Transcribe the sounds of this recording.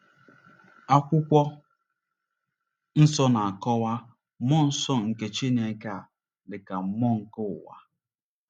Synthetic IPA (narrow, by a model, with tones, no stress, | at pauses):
a˦kʷʊ˦kʷɔ˦ | n̩˦sɔ˦na˨a˨kɔ˦wa˦ | mɔ˦n̩˦sɔ˦ŋ̩˨ke˨t͡ʃi˦n˨e˨ŋ˦ka˦˨ | lɪ˨ka˨m̩˦mɔ˦ŋ̩˨ko˦ʊ˨wa̰˦